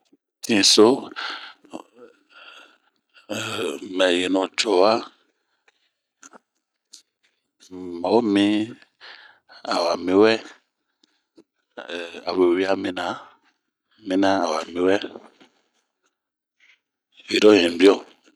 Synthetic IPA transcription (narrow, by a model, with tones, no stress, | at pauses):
tĩ˦˨so˦˨ | mɛ˨je˨nɔ̃˨t͡ʃɔ˨wa˦ | ma˨wo˦mĩ˦ | a˨wa˨mĩ˨˦wɛ˦˨ | a˨we˨wi˦a˦mĩ˦na˨˦ | mĩ˦nã˦a˨wa˨mĩ˨˦wɛ˦ | wi˨ɾɔ˦˨jɛ̃˨bi˦ɔ˦